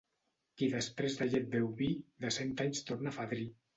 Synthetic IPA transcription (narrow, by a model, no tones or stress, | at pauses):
kiðəspɾezðaʒet̪̚bewβiðəsɛnt̪aɲst̪ornafaðɾi